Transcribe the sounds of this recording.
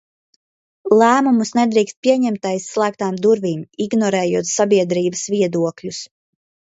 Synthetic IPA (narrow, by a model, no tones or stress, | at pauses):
lˠæːmumusnɛd̪ɾiːkst̪̚piɛɲɛmt̪ajsːlˠæːk̚t̪aːmd̪uɾviːmiɡnɔɾɛːjuɔt̪sabiɛd̪ɾiːbəsviɛd̪uɔklʲus